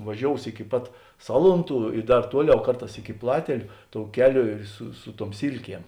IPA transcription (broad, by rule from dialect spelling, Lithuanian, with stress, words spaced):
ʋɐˈʒʲoːʊs ɪkʲɪ ˈpɐt ˈsɑːlˠʊnˌtuː ɪ ˈdɐr ˈtuɔˌlʲɛʊ ˈkɐrˌtɑːs ɪkʲɪ ˈplˠɑːtʲɛlʲʊ toːʊ ˈkʲæːˌlʲoː ɪr sʊ ˈsʊ ˌtuɔm ˈsʲiːlʲˌkʲiɛm